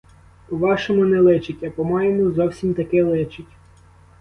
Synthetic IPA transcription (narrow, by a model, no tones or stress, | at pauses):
pɔʋɑʃɔmʊnɛlˠɪt͡ʃɪtʲɐpɔmɑjemʊzɔwsʲimt̪ɐkɪlˠɪt͡ʃɪtʲ